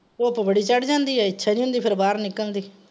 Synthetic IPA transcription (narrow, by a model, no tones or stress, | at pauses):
oːəpːãbəɽiːt͡ʃəɽd͡ʒãːnd̪iːɛːɪtːʃʰaːnĩːɦʊ̃nd̪iːpʰɪɾbaːɾnɪkːəld̪iː